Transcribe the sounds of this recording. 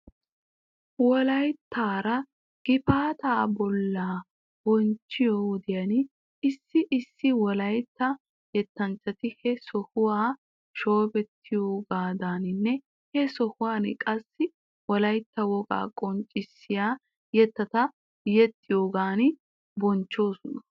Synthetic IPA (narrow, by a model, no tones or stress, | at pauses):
wɔlɐjt̪ʰːaːɾɐ | ɡ̥ɪfaːt̪aːbɔlːaː | bɔnt͡ʃːɪjowɔd̪ɪjɐn | ɪsːɪʔɪsːɪwɔlɐjt̪ːɐ | jɛt̪ːɐnt͡ʃːɐt̪ɪhɛsɔhʊwaː | ʃo̞ːbɛt̪ʰːɪjoːɡaːd̪aːnɪnːɛ | hɛsɔhʊwaːnkʼɐsːɪ | wɔlɐjt̪ːɐwɔɡa̰ːkʼɔnt͡ʃʼːɪsːɪjaː | jɛt̪ːɐt̪ɐ | jɛt̪ʼːɪjo̞ːɡaːn | bɔnt͡ʃːo̞ːsɔnɐ